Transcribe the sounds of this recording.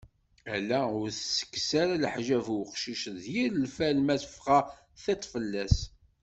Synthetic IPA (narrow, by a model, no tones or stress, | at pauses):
ælːæʊɾθsə̥kːsaɾalħʒævwqʃiʃðjiɾəlfælmæθə̥fʁɑ | θet̪ˤːfəlːæs